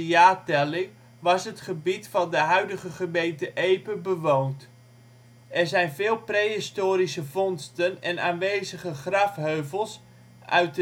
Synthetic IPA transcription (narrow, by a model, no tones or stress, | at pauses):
jaːtɛlɪŋ | ʋɑsɦətχəbitfɑndəɦœɥdəχəχəmejntəʔejpəbəʋoːwnt | ʔɛrzɛjnvɪːlˠprejɦɪstoːɾisəvɔnstənɛnaːnʋejzəχəχrɑfɦøɥvəlˠs | ʔœ̰ɥt̚